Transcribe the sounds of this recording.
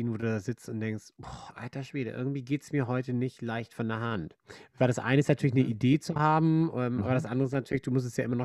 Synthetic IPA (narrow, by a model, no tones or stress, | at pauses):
invoːduːdaːzɪt͡stʊnt̚d̥ɛŋkstbɔʔa̰ltɐʃv̥eːdə̰ʔɪ̰ɐɡŋ̩tv̥iːɡeːtɛ̥smiːɐɦɔʏtənɪçtlaɪçtfɔndeːɐɦantvaɪdasʔa̰ɪnəɪstnatʰyːɐlɪçnəʔideːt͡suhaːbm̩ʔɛːmʔa̰ːbɐɾasʔandəʁəɪsnatʰyːɐlɪçd̥uːmʊstɛstjaːʔɪmɐnɔ